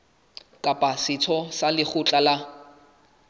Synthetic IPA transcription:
kʼapʼasɪt͡sʰɔsalɪχʊt͡ɬʼala

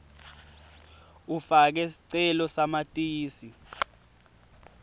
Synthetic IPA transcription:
ufak̬ɛsi̥ǀɛlɔsamatʼiːsi

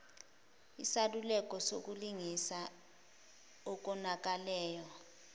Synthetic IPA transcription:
isalulɛk̬ʼɔsok̬uliŋisa | ɔk̬ɔnak̬ʼalɛːjɔ

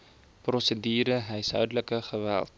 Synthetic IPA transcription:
prɔsədiːɾəɦɛjsɦœ̰ɥdələkəχəvæ̰lˠt̚

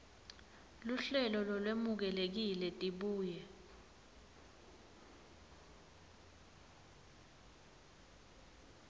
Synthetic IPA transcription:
luɬɛlɔlɔlwemuk̬ɛlek̬ilɛtʼiɓuːjɛ

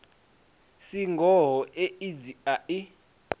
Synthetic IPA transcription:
siŋɡʱɔɦɔʔeid͡ziaʔi

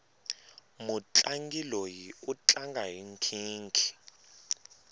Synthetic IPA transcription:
mut͡ɬʼaŋɡilojiut͡ɬʼaŋɡʱajiŋkʰiːŋkʰi̥

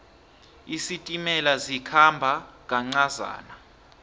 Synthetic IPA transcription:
isitʼimɛlazikʰambʱaŋʼaŋ͡ǀaza̰ːna

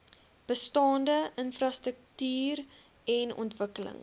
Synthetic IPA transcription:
b̥əstɑːndəʔənfrɑstɾək̚tyːr | ɛnɔ̰ntvəkələ̰ŋ

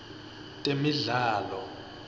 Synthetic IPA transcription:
tʼemiɮaːlɔ

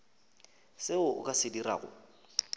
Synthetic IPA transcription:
sɪʊʊ̰kʼasɪdira̰ːɣʊ̰

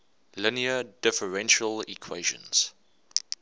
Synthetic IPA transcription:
lɪniədɪfəɹɛ̃nʃəlḭkʰweɪʒə̰̃nz̥

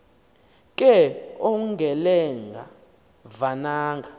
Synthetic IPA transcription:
k̬ʼɛɔŋɡʱɛlɛŋɡʱa | vanaːŋɡʱa

